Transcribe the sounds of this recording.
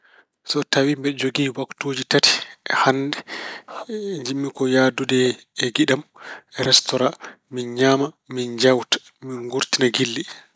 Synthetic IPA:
sɔtawimbɛd͡ʒoɡiːwaktoːd͡ʒitati̥ʔɛhandɛ | ɲd͡ʒimːikɔjadudɛ | ɛɡiɗamɛɾɛstɔɾa | minɲama | mind͡ʒawtḁ | minɡuɾtinaɡilːi

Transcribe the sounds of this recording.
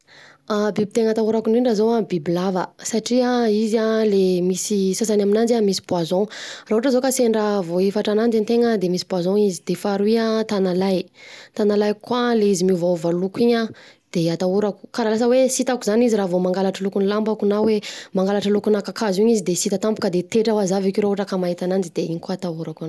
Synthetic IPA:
abib̚it̪eŋat̪auɾakuniɳɖ͡ʐazowabiblavəsaʈ͡ʂiaizalemisisasanaminand͡ʒamisi̥bwazɔ̃raɦuuʈ͡ʂəzokaseɳɖ͡ʐavoifaʈ͡ʂanand͡ʒant̪eŋəd̪emisi̥bwazɔ̃izid̪̥efaɾuiat̪analajt̪analajkːwaleizimivavalukiɲad̪̥eat̪auɾaku̥kaɾalas̬əwesit̪akuzaniziɾavomaŋɡalaʈ͡ʂalukunilambakunawemaŋɡalaʈ͡ʂalukunakakazuɲizid̪esit̪at̪ampu̥kəd̪et̪eʈ͡ʂawazavikʲoɾaɦuʈ͡ʂəkamaɦit̪anand͡ʒid̪eiɲikwat̪auɾakun

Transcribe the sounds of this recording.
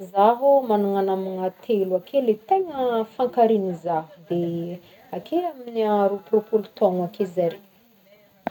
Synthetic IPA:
zaɦumanuŋanamiŋat̪ʰeluakʰelet̪eŋəfaŋkaɾinizaɦud̪e | akʰeaminiaɾuprupulut̪oŋakezaɾi

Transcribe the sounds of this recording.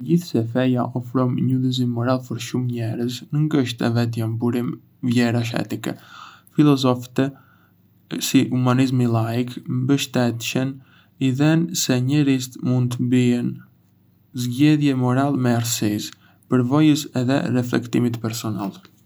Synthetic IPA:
ɟiθsɛfɛjaʔɔfɾɔmɲuðiz̬inmɔɾalˠpəɾʃumɲɛɾəsnəŋɡəʃt̪ɛ̰vɛt̪̬jambuɾim | vjɛɾaʃ̬ɛ̰t̪ikɛ̰filˠɔzɔft̪ɛ | sihumanizmilˠaikmbəʃt̪ɛt̪ʃən | iðɛnsɛɲɛɾist̪mund̪t̪əmbiən | zɟɛðjɛmɔɾalmɛaɾsis | pəɾvɔjəsɛðɛ̰rɛflɛ̰kt̪imit̪pɛɾsɔnalˠ

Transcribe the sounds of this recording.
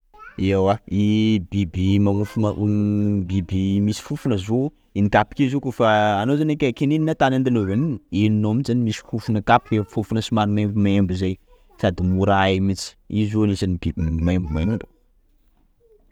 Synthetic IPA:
eawaibibimama | bibimisi̥fufunəzo | inikapi̥kezokufaːnozanekʲakenininat̪anand̪anoveniniininomizanimisi̥fufunəkapiefufunəsimanumembimaembizej | sad̪imuɾaemit͡si̥izonisanibibmaembumaɳɖ͡ʐu̥

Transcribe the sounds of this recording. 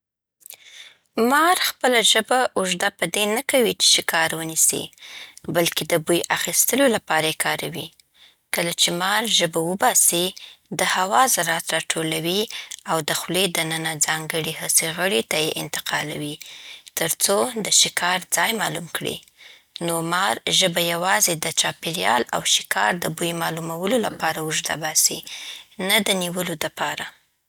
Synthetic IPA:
mɑɾxpəlaʒəbaʔʊʒd̪apəd̪enakawit͡ʃe̥ʃɪkɑɾwənisḭbalked̪əbujaxist̪əlolapɑɾajekʰɑɾawi | kəlat͡ʃemɑɾʒəbawəbɑsid̪əhawɑzaɾɑt̪ɾɑʈʰolawiawd̪əxled̪ənənad͡zɑŋɡəɽihaseɣəɽet̪ajeʔɪ̰nt̪ɪ̥qʰɑlawit̪əɾt͡sod̪əʃɪkʰɑɾd͡zɑjmɑlumkɽḭ | nomɑɾʒəbajawɑzed̪ət͡ʃɑpeɾjɑ̰la̰wʃɪ̥kʰɑ̰ɾd̪əbujmɑlumawəlolapɑɾawʊʒd̪a̰bɑsinad̪əniwəlod̪əpɑɾa

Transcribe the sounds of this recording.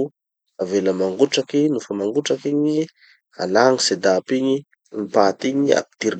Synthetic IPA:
aveləmaŋɡuʈ͡ʂakinufəmaŋɡuʈ͡ʂakiɲi | a̰laŋised̪apiɲi | mipat̪iɲia̰p̚i̥t̪iɾ

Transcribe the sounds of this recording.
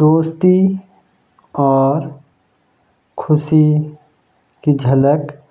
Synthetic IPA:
d̪oːst̪i | ɔːɾ | kʰʊsi | kid͡ʒʱɐlək

